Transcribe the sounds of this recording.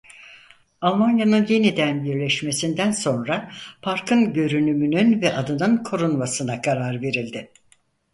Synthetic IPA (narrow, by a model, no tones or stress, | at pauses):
alˠmanjanɯnje̞nid̪ænbiɾlʲɛʃme̞sind̪ænso̞nɾapʰaɾkʰɯnɟø̞ɾynymynynvɛʔad̪ɯnɯnkʰo̞ɾunmasɯnakʰaɾaɾve̞ɾilʲd̪ɪ